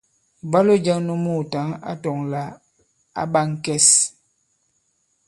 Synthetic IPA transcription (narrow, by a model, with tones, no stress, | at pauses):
ba˦lo˦d͡ʒa˦ŋnu˦mu˦˨ta˨˦ŋa̰˦tɔ˨ŋla˨˦ | a̰˦ba˦ŋ˦kɛ˦s